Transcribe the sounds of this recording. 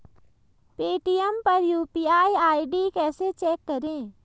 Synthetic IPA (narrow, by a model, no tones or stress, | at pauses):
peːʈijəmpəɾjuːpiaːiaːiɖikɛːset͡ʃɛːkːəɾẽː